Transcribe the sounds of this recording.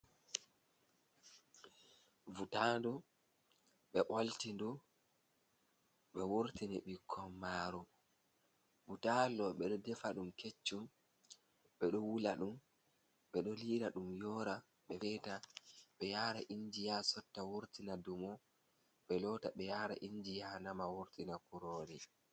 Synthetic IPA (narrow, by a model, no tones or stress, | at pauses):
vutandɔ | ɓɛʔoltindu | ɓɛwoɾtinɛɓikʰːɔmːaːɾɔ | vutalɔɓɛɗɔdɛfaɗumket͡ʃːum | ɓɛɗɔwulaɗum | ɓɛɗɔliːɾaɗumjɔːɾa | ɓɛfɛtaɓɛjaːɾaʔiɲd͡ʒijasɔtːawoɾtinadumɔ | ɓɛlɔtaɓɛjaɾa̰ʔiɲd͡ʒijanamawoɾtinakuɾoːɾi